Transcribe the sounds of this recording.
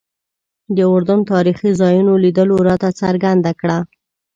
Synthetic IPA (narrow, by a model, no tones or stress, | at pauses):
d̪əʊɾd̪ant̪ɑɾixizɑjunolid̪əloɾɑt̪at͡saɾɡand̪akɽa